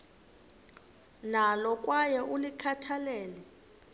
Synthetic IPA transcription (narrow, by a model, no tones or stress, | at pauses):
nalɔkʼwajɛʔulikʰatʰalɛːlɛ